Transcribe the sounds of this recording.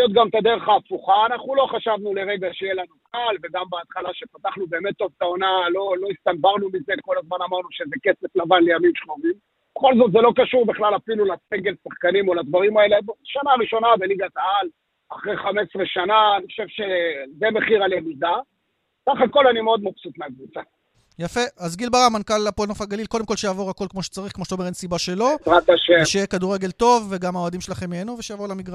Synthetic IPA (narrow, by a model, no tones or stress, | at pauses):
jot̪̚ɡamt̪ad̪eʁχaːfuχaːnaχnulo̞χaʃavnule̞ʁe̞ɡaʃejelanukalveɡambeat̪χalaʃe̞pat̪aχnubeːme̞t̪ːo̞vt̪ao̞nalo̞lo̞ist̪ambaʁnumize̞ko̞lazmanamaʁnuʃezeke̞se̞flavanle̞jamimʃχovim | b̥eχo̞lzo̞t̪zelo̞kaʃuʁbiχlalafilulaseɡe̞lsaχkanimo̞lad̪vaʁimae̞lebaʃanaːʁiʃonabe̞liɡat̪aal | aχʁejχame̞sʁeʃananiχoʃevʃezeme̞χiʁaljemid̪a | saχako̞lanimeo̞d̪̚mapsut̪meakvut͡sa | jafeazɡilbaʁamankalapolnofaɡalilko̞d̪emko̞lʃejaːvo̞ʁako̞lkmoʃe̥t͡saʁiχkmoʃt̪aome̞ensibaʃe̞lozʁat̪aʃemʃejekad̪uʁe̞ɡelt̪o̞vːeɡamaoad̪imʃelaχe̞mːienuveʃejavo̞lamiɡʁa